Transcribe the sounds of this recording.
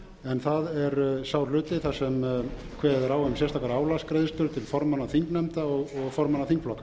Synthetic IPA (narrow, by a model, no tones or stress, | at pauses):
ɛnθaðɛɾsaːwlʏːt̪ɪθasɛm | kʰvɛːððɛɾaːwhɛm̬jɛrst̪ʰaːkaɾaːwlaskɾejðɪst̪ʏɾt̪ʰɪlfɔɾmanːaθiŋknɛmt̪aɔɣɔɣfɔɾmanːaθiŋkflɔkːḁ